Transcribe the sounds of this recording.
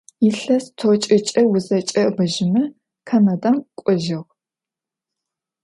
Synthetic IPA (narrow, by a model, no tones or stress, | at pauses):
jɪɬɐstʰot͡ʃʼɪt͡ʃʼɐwʊzɐt͡ʃʼɐbɐʒɪmɨ | kʰanɐdakʷʼɔʒɪʁ